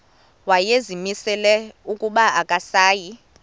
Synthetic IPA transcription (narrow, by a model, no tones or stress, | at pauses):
wajezimisɛlɛukʼuɓaakʼasaːji